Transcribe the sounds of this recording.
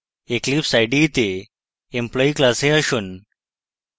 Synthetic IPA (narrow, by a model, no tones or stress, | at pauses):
eklipsajɖit̪e | emplɔiklaseəɕuːn